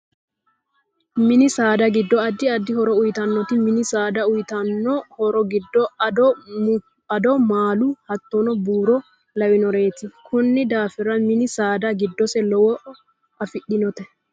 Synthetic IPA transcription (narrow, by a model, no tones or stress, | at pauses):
mɪnɪsaːd̪ɐɡɪd̪ːɔɐd̪ːɪɐd̪ːɪhɔɾɔʊjt̪ɐnːɔt̪ɪmɪnɪsaːd̪ɐʊjt̪ɐnːɔhɔɾɔɡɪd̪ːɔdɔ | ɐd̪ɔmaːlʊhɐt̪ːɔnɔbuːɾɔ | lɐwɪnɔɾe̞ːt̪ɪkʰʊnːɪd̪aːfɪɾɐmɪnɪsaːd̪ɐɡɪd̪ːɔsɛlɔwɔ | ɐfɪɗɪnɔt̪ɛ